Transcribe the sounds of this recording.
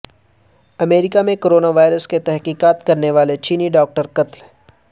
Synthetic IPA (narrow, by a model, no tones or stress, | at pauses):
ɐmeːɾɪkamẽkoːɾoːnaʋaːɪɾəsket̪ɛɦqiːkaːt̪kɐɾneʋaːlet͡ʃiːniɖɔːk̚ʈəɾkɐt̪l